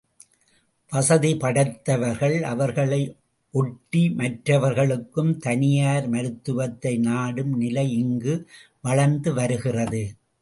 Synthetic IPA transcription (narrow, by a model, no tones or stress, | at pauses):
ʋɐsɐðipɐɽɐt̪ːɐʋɐɾɣɐɭɐʋɐɾɣɐɭɐɪ | ʔɔʈːimɐʈrɐʋɐɾɣɐɭɯkːɯmt̪ɐnɪjaːɾmɐɾɯt̪ːɯʋɐt̪ːɐɪnaːɽɯmnɪlɐɪɪŋɡɯ | ʋɐɭɐɾnd̪ɯʋɐɾɯɣɪrɐðɯ